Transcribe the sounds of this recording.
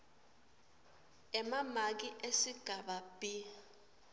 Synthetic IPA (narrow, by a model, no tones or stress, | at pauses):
ɛmamak̬iʔesiɡ̥ʱaɓab̥i